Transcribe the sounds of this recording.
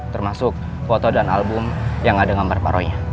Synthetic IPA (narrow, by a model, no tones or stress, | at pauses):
t̪ərmasʊk̚ | fot̪odana̰lbʊmjaŋadaŋambarpa̰ɾoɲa